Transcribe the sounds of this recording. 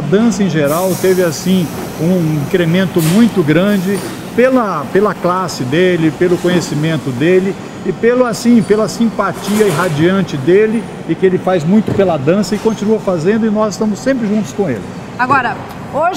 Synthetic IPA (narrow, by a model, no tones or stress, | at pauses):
ɐd̪ɐ̃sɐẽʒeɾawt̪evɪasĩ | ũĩkɾemẽnt̪ʊmũj̃t̪ʊɡɾɐ̃d͡ʒɪ | pelɐpelɐklasɪd̪elɪpelʊkõɲesimẽnt̪ʊd̪elɪ | ɪpelʊasĩpelɐsĩpat͡ʃiɐɪɦad͡ʒiɐ̃nt͡ʃɪd̪elɪ | ɪkɪelɪfajzmũj̃t̪ʊpelɐd̪ɐ̃sɐɪkõnt͡ʃinuɐfazẽnd̪ʊɪnɔzɪst̪ɐ̃mʊsːẽmpɾɪʒũt̪ʊ̥skõḛlɪ | aɡɔɾɐ | oʒ